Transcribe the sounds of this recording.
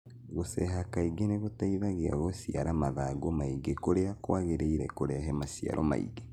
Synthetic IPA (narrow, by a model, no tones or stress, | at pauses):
ɣosɛɦakaiɡeneɣotaiðaɣea̰ɣosia̰ɾamaðaɡomaiɡekoɾeakwaɣeɾeiɾɛkoɾeaɦɛmasia̰ɾʔɔ̰ma̰ḭɡe